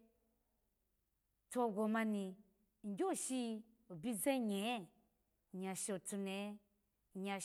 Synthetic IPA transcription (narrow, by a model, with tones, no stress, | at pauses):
to˧ɡo˨mã˧nĩ˨ | ŋ˦ɡʲo˦˨ʃi˧˨ | bi˦zẽ˦ɲɛ˨˦˨ | ɲã˨ʃo˨tu˧ne˨˦˨ | ɲa˨